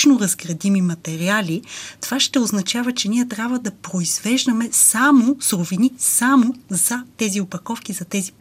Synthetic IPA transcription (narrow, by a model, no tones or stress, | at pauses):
noɾɐzɡɾɐd̪imimɐt̪ɛɾialʲit̪ovaʃt̪ɛoznɐt͡ʃavət͡ʃɛniɛt̪ɾʲabvəd̪ɐpɾoiz̥vɛʒd̪ɐmɛsamosɾovinisamozɐt̪ɛziopɐkɔfkizɐt̪ɛzi